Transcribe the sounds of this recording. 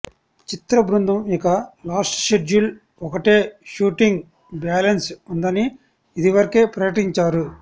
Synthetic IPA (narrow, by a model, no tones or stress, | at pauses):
t͡ʃit̪ɾɐbɾund̪ʱɐmikɐlaːsʈʃeɖul | ɔkɐʈe̞ːʃuːʈiŋɡ | bjaːlɐnsund̪ɐniː | d̪iʋɐɾɐke̞ːpɾɐjɐʈiɲt͡ʃaːɾu